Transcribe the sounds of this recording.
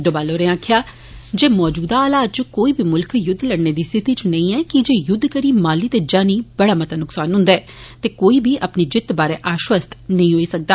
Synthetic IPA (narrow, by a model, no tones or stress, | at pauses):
d̪obaːloːɾẽːãːkʰjaː | d͡ʒeːmɔːd͡ʒuːd̪aːaːlaːt̪t͡ʃkoːiːbʱiːmʊlkʰjʊd̪ʱːləɽneːd̪iːst̪ɪt̪iːt͡ʃnəĩːɛːkɪd͡ʒeːjʊd̪ʱːkəɾiːmaːliːt̪eːd͡ʒaːniːbəɽaːmət̪aːnʊksaːnɦʊ̃nd̪aɛːt̪eːkoːiːbʱiːʔəpniːd͡ʒɪt̪baːɾeːʔaːʃwəst̪nəĩːɦoːiːsək̚d̪aː